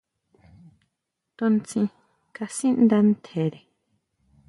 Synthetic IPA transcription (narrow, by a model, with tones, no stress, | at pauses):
t̪o˧nt͡sĩ˧ | ka˧sĩ˦nd̪a˧n˦t̪ʰe˨ɾe˨